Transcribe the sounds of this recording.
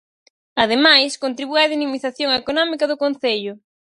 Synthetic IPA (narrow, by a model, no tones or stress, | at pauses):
að̞emajskont̪ɾiβuɐðinimiθaθjoŋaekonɔmikɐðʊkon̟θeʎʊ